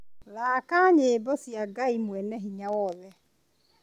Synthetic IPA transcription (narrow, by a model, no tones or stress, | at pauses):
laːkaɲebɔsjaɡaimwɛnɛɦiɲawɔlɛ